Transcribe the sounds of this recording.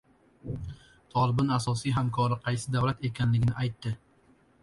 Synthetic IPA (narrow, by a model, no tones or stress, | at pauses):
t̪ʰɒlˠɪbɪnasɒsijɦamkʰɒɾɪqʰɑjsɪd̪avlat̪e̞kʲʰanlɪɡʲɪnɪʔajt̪ːɪ